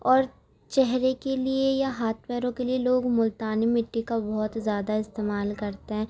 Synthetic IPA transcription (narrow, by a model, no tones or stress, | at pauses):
ɔːɾ | t͡ʃɛɦɾekeliejaɦaːt̪ʰpɛːɾõkelieloːɡmʊlt̪aːnimɪʈːikabɔɦʊt̪zjaːd̪aɪst̪eːmaːlkɐɾt̪eɦɛ̃ː